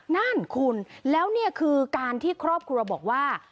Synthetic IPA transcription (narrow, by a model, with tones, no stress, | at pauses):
na˥˩nkʰu˧nlɛː˦˥wni˥˩ɐkʰɯː˧kaː˧nt̪ʰiː˥˩kʰɾɔː˥˩p̚kʰɾu˧ɐbɔː˨˩k̚waː˥˩